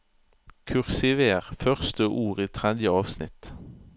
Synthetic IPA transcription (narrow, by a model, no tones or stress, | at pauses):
kʰʉʁsɪʋeːʁfœʁst̪əʔuːʁiːt̪ʰʁɛd̪jəɑːʋsnɪ̰t̪